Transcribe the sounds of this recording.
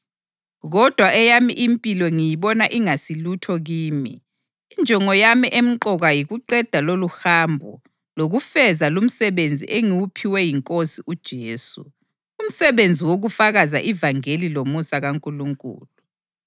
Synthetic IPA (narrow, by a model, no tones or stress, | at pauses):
ɣɔd̥ʱwaʔɛjamiʔimpʼilwɔŋijiβɔnaʔiŋasilutʰɔɣiːmiː | nd͡ʒʱɔŋɔjamiʔem̩ǃɔɣajiɣuǃɛd̥ʱaloluhaːmbʱɔ | loɣufɛzalum̩sɛβend͡zʱḭʔeŋiwupʰiwɛjiŋkʼosiʔud̥ʒ̥ʱeːsṵ | um̩sɛβend͡zʱiwoɣufaɣaza̰ʔivaŋelilomusaɣaŋkʼuluŋkʼṵːlu